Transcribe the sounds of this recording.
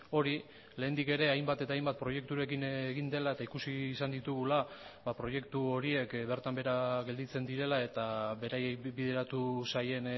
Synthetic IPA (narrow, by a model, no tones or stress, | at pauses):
o̞ɾi | le̞ːnd̪ike̞ɾe̞ajmbat̪e̞t̪ajmbat̪̚pɾo̞je̞k̚t̪uɾe̞kineɣind̪e̞lae̞t̪aikusiːsand̪it̪uɣulabapɾo̞je̞kt̪uo̞ɾie̞kβe̞ɾt̪ambe̞ɾaɣe̞ld̪it͡se̞nd̪iɾe̞lae̞t̪aβe̞ɾajekbiðe̞ɾat̪usaje̞n